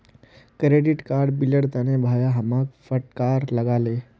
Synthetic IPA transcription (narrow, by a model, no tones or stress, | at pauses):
kɾeɖiʈkaɾɖbiləɽt̪anebʱajaɦəmak̚fəʈ̚kaɾləɡale